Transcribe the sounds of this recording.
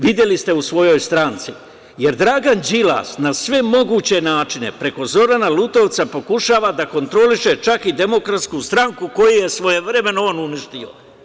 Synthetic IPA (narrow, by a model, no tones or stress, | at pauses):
ʋid̪je̞list̪e̞usʋo̞jo̞jst̪ɾant̪si | je̞ɾd̪ɾaːɡand͡ʑila̰ːsnasʋe̞mo̞ɡuːt͡ɕe̞naːt͡ʃine̞̰pɾe̞ko̞zo̞ɾanalut̪o̞ʋt̪sapo̞kuʃaːʋad̪ako̞nt̪ɾo̞liʃe̞t͡ʃakid̪e̞mo̞kɾat̪skust̪ɾaŋkuko̞juje̞sʋo̞je̞ʋɾe̞me̞noonuniʃt̪io̞̰